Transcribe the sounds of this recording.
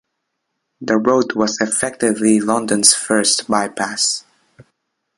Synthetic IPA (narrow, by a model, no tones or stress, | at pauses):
ðəɹoʊtwʌzɨfɛk̚tɪvlilʌ̃ndə̃nz̥fɜ˞stbaɪpʰæs